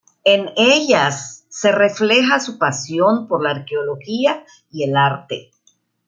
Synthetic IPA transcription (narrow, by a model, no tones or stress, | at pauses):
e̞neʎasːe̞re̞fle̞xasupasjo̞npo̞ɾlaːɾkeolo̞xia | ie̞laɾt̪ḛ